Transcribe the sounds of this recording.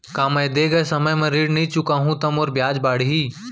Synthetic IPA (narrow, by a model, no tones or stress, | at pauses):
kaːmɐjd̪eːɡɐjsɐməjmẽɾiːɽnɐĩt͡ʃʊkaːɦũt̪ɐmoːɾbjaːd͡ʒbaːɽ̤ɦiː